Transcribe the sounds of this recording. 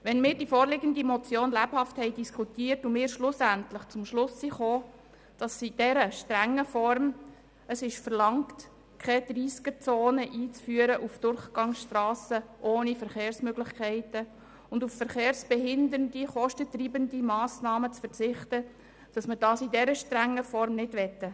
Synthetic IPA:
ʋɛnmɪːɾdifoːɾlɪɡəndimɔt͡sjoːnlæphɑfthɛɪdiskʰutiːrtumɪːɾʃlʊsæntlɪχt͡sʊmʃlʊsːiχoː | d̥ɑsid̥ɛɾəʃtɾæŋːəfɔɾm | əsɪʃfəɾlɑŋkt | kʰɛdriːskət͡soːnəʔiːt͡sfyːəɾəʔufd̥ʊɾχɡ̥ɑŋsʃtrɑːsəʔoːnifəɾχeːɾsmøɡlɪχkʰæɪtə | ʊnduffəɾχeːɾsb̥ɛɦɪndəɾndiχɔʃtətriːbəndimɑːsnɑːmət͡sfəɾt͡sɪχtə | d̥ɑsməd̥ɑːsidɛɾəʃtɾæŋːəfɔɾmnɪdʋɛtə

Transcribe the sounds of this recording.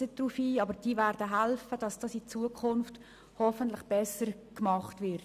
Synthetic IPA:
əd̥rufiːɑbəɾd̥iːvæɾd̥əɦælfəd̥ɑsd̥ɑːsit͡suəkʰʊnft | hɔfəntlɪχb̥ɛsəɾkmɑχtʋɪɾt

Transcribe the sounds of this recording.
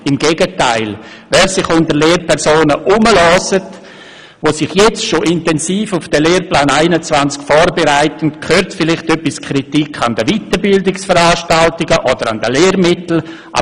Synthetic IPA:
ɪmɡeːɡətaɪl | vɛːɾsɪχʊndəɾleːɾpɛɾsoːnəʔʊməlɔːsət | vosɪχjɛt͡stʃoʔɪntɛnsiːfʊfd̥ɛleːrplaːnaɪnət͡svant͡skfɔːɾbeɾaɪtəntkʰøːɾtfɪlɪχtœpːiskʰɾitikʰːandəvitəbɪldɪksfəɾaːʃtaltɪɡəʔɔdəɾandəleːɾmɪtl̩ | ʔa̰

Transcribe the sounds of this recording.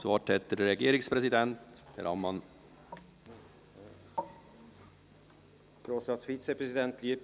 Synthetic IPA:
svɑːʈʰhɛt̪ːəɾɾɛɡeːɾɪŋspʰɾɛsɪd̪ɛnt̪hæ̰ɾɑ̰mmːɑn | ɡ̥ɾoːsɾɑːt̪sfit̪sɛpɾɛsɪd̪ɛnt̪liəp

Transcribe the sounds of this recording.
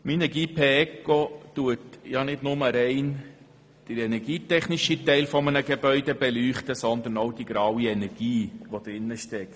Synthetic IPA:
minəɡiːpʰeɛkotuətjɑnɪdnʊməɾɛɪn | d̪̥əɾɛnɛɾɡiːtɛχniʃitɛɪlfɔmənəɡebœʏdɛbɛlyːχt̪əsɔnd̪ənoʊd̥iɡ̥ɾɑwiɛnɛɾɡ̥iːʋod̥̪ɾɪnːəʃtɛkt

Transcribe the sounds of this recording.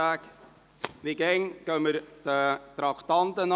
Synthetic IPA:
æk | ʋɪkɛŋkœməɾt̪ət̪ɾɑkt̪ɑnt̪ən

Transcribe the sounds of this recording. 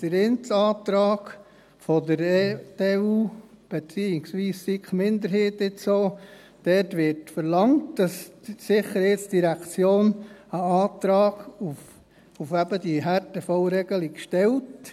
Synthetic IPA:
d̥əɾɪnt͡sɑːtɾɑːɡ̥ | fɔdəɾteːuːb̥et͡siːɪksʋiːssikχmɪnd̪əɾɦeːtɪsoː | d̥ɛtʋɪɾtfəɾlɑŋtd̥ɑssɪχəɾhɪt͡ssd̥iɾækt͡sjoːnəɑːtɾɑːɡ̥uf | ufæbəd̥iɦæɾtəfɔlɾɛɡ̥əlikʃtɛlt

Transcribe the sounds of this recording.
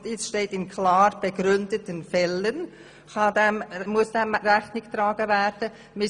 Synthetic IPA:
tɪt͡sʃteːtɪnkʰlɑːɾb̥əɡ̥ɾʏndətənfɛlən | xɑdɛmmʊəsd̥ɛmɾɛxnɪkt̪ɾɑːɡ̥əvɛɾd̥ə | mɪ

